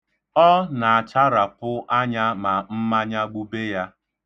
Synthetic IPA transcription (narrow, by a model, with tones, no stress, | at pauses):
ɔ˦na˨a˨t͡ʃa˦ɾa˨pʊ˦ʔa˦ɲa˦ma˨m̩˦ma˦ɲa˦ɡ͡bu˦be˦ja˦